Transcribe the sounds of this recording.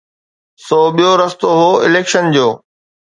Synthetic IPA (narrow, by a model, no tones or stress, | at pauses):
sɔːɓijoɾɐst̪oɦoːɪleːkʃənd͡ʑoː